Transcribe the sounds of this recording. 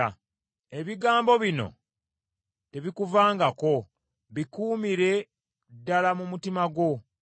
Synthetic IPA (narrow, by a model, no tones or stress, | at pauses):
e̞βiɡaːmbo̞βino̞̰ | te̞βikuvaːŋɡako̞ | βikuːmiɾe̞ | dːalamumutimaɡwo̞